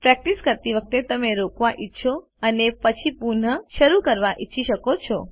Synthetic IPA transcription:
pɾɛk̚ʈiskəɾt̪iʋək̚t̪et̪əmeɾokʋaʔitːʃʰo | ənepət͡ʃʰipuɾn̤əʃəɾukəɾʋaʔitːʃʰiʃəkot͡ʃʰɔ

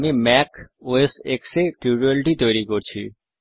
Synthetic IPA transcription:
mimɛkoesekseʈɾibɾialʈit̪ojɾikoɾt͡ɕʰḭ

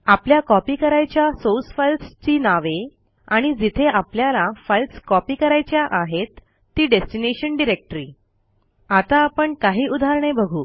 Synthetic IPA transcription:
apljakɔpiːkəɾajt͡ɕjasosfalst͡ɕiːnaʋe | aɽ̃id͡zit̪ʰeapljalafalskɔpiːkəɾajt͡ɕjaʔaɦet̪ː | iːɖesʈineɕənɖiɾek̚ʈɾḭː | at̪aːpəɳkaɦiːʔud̪ʱaɾɳ̃ebəɡʱuː

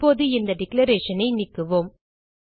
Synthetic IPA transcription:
oːðɯɪnd̪ɐɖɪklɐɾeːʂɐnɐɪnɪkːɯʋoːm

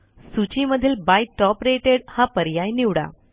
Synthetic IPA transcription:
sut͡ɕiməd̪ʱiːlbajʈɔpɾeʈeɽhãpəɾjajniʋɽa̰

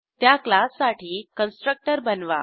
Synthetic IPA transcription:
t̪jaklasːaʈʰiːkənsʈɾək̚ʈəɾbənʋa̰

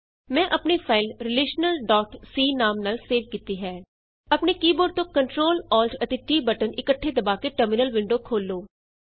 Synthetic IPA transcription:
mɛ̃ːʔəpneːpʰaːɪlɾɪleːʃnəlɖɔːʈsiːnaːmnəlseːʋkiːt̪iːɦɛː | əpneːkiːboːɖ̚t̪õːkəɳʈɾoːlɔːlʈʰət̪eːʈiːbəʈənɪkəʈʰːeːd̪əbaːkeːʈəɾmɪnəlʋɪ̃ɳɖoːkʰoːlːoː

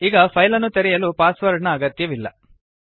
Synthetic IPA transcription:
iɡɐpʰɐjlɐnːut̪eɾɛjɐluːpaːsʋɐɾɳɐːɡɐt̪jɐʋilːɐ

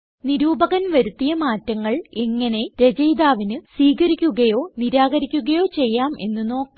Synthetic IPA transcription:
niɾuːbɐɣɐnʋɐɾut̪ːijɐmaːtːɐŋːɐɭeŋːɐne̞ɾe̞d͡ʑɐjd̪aːʋinɨsiːɣɐɾikʲːuɣɐjo̞ːniɾaːɡɐɾikʲːuɣɐjo̞ːt͡ɕe̞jːaːme̞̰nːɨno̞ːkː

